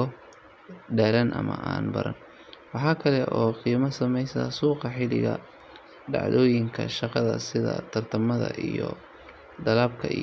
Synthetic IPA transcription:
ɔ | ɖɛːlɐnʔɐmɐ̰ʔaːnbɐ̰ɾɐ̰n | wɑħɑːkʰɐlɛʔɔːqiːmɐsɐmɛjsɐ̰suːqɑħɪlɪ̰ɣɐ̰ | ɖɑ̰ʕðɔːjɪŋkʰɐʃɑqɑðɐ̰sɪðɐ̰t̪ʰɐrt̪ʰɐmɐðɐ̰ʔijɔ | d̪ɐlaːb̚kʰɐ

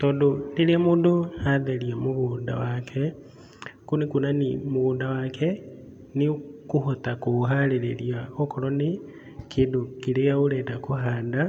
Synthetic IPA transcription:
todoniliamuːndoaðeliamuɣuːnda̰wakʰe | kunikunanimuɣuːndawakʰe | nikuɦotakuɦaleɾeliaokoɾoni | kʰidokilejauledakuɦaːnda

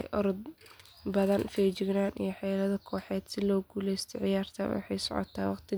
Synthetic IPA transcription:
ʔɔɾd̪̚ | bɐðɐnfɛːt͡ʃɪɡnaːnʔḭjɞħɛːlɐðɐkʰɔːħɛːd̪sɪlɔːɡuːlɛjst̪ʰɐʕɪjaːrt̪ʰɐ̰wɑ̰ħɑ̰jsɔ̰ʕɔ̰t̪ʰaːwɑqt̪ʰɪ

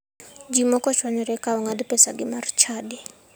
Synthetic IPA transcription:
d͡ʒimɔkʼɔʃwaɲɔɾɛkʼaɔŋadipʼɛsaɡɪmarit͡ʃʰaːdɪ

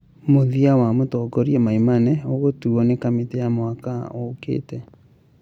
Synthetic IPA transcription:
moðiawamotɔɡɔɾiɛmaimanɛoɣotuɔnekametejamwakaokḛːtɛ

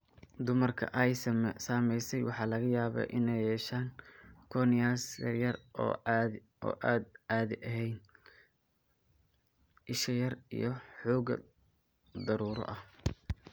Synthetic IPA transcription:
d̪ʊmɐrkʰɐ̰ʔɐjsmsaːmɛjsɛjwɑħɑːlɐɣɐjaːβɐ̰ʔɪnɛjɛːʃaːŋkʰɔnɪjaːsjɐ̰rjɐrɔ | ʔɔ̰ːʔaːd̪aːðɪʔɐɦɛjn | ɪʃɐjɐrḭjɞħɔːɡɐ̰ | d̪ɐɾuːɾɔ̰ʔɐh

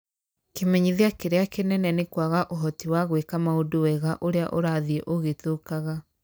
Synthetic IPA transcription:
kemɛɲiðeakeɾeakenɛnɛnekwaɣaʔoɦɔtiwaɣwekamaodowɛɣaʔoɾeaʔoɾaðiɛʔoɣetokaɣa

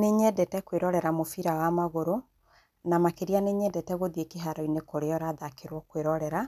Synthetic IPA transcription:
neɲɛdɛtɛkweɾɔɾɛɾamofiɾawamaɣoɾo | namakeɾianeɲɛdɛtɛɣoðiekeɦaɾɔinekoɾeɔɾaðakeɾwɔkweɾɔɾɛɾa

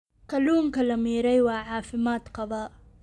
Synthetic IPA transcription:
kʰɐluːmkʰɐlɐmiːɾɛjwɑːʕɑːfɪmaːd̪qɑðˤɑː

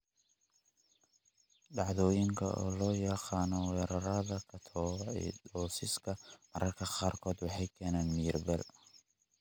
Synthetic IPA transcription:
ɖɑʕðɔːjɪŋkʰɐ̰ʔɔ̰ːlɔːjɐqɑːnɔwɛːɾɐɾɐðɐkʰɐt̪ʰɔ̰ːd̪ɔːsɪskʰɐmɐɾʔɐrkʰɐqɑːrkʰɔːd̪wɑħɑjkʰɛːnaːnmirbɛl

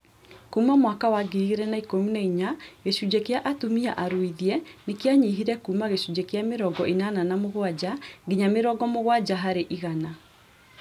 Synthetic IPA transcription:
kuːmamwakawaɡieɾɛnaikomunaiɲaɣeʃud͡ʑɛkeaʔatomia̰ʔaɾwiðiɛnekeaɲiɦiɾɛkuːmaɣeɕud͡ʒɛkeameɾɔɡɔʔenananamoɣwad͡ʑaŋɡiɲameɾɔɡɔmoɣwad͡ʑaɦaɾeʔiɣana

